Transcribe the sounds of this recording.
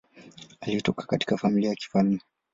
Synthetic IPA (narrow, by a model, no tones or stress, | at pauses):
alitɔkḁkati̥kafamiliajaki̥falmɛ